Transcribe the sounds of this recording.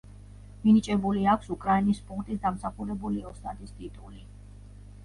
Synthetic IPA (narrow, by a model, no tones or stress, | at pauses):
minit͡ʃʼɛbuliakʷʰsukʼɾainispʰʼukt̪ʼisd̪amsaχuɾɛbuliɔst̪ʰʼat̪ʰʼist̪ʼit̪ʼuli